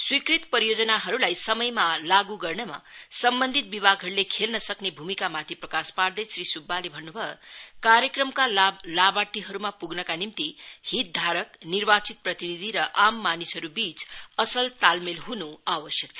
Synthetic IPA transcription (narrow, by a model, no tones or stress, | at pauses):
swikrit̪pʌɾijod͡zʌnaɦʌɾulajsʌmʌjmalaɡuɡʌrnʌma̰sʌmbʌnd̪ʱit̪̚bibʱaɡɦʌɾulekʰelnʌsʌknebʱumikamat̪ʰiprʌkaspard̪esrisubːalebʱʌnːubʱʌekaɾjʌkrʌmkalabaʈ̪iɦʌɾumapuɡnʌkanimt̪ihit̪̚d̪ʱaɾʌknirbat͡sit̪̚prʌt̪inid̪ʱiɾʌʔamːanisʌɾubit͡sʌsʌlt̪almelɦunuabʌsjʌk̚t͡sʰʌ